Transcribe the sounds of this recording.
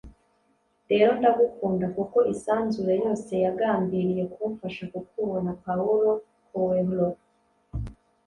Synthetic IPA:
ɾe̞ːɾo̞ndaɡukuːndakuko̞isaːnzuɾejo̞ːse̞jaɡaːmbiɾije̞kʰufaʃakukuβonapauɾo̞ | kuweβuloɾ

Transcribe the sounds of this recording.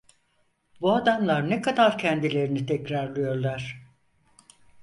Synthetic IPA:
buad̪amlˠaɾnekʰad̪aɾcʰɛnd̪ilʲe̞ɾinit̪ʰɛcɾaɾlˠɯjo̞ɾlˠaɾ̥

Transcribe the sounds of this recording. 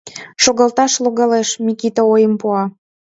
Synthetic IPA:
ʃoɣɑlt̪ɑʃloɣɑleʃmikit̪oojəmpuɑ

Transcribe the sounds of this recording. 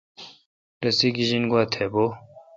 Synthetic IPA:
ɾɐsiɡiʑinɡwat̪ʰebo

